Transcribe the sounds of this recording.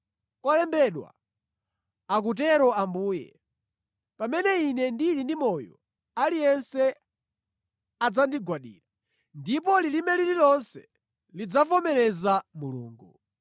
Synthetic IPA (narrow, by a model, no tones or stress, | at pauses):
kɔlɛmbɛɗwa̰ | ak̬ut̬ɛɾɔambuːjɛ̰ | pamɛnɛinɛndilindimɔjɔ̰ | alijɛnsɛ | ad͡zandiɡwaɗḭːɾa | ndip̬ɔlilimɛlililɔnsɛ | lid͡zavɔmɛɾɛzamuluːŋɡu